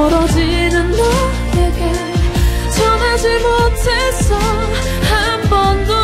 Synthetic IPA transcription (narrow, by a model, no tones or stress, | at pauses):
ɾʌd͡ʑinɯndo | eke | t͡ɕʰʌnad͡ʑimotʰesʌ | hambʌndo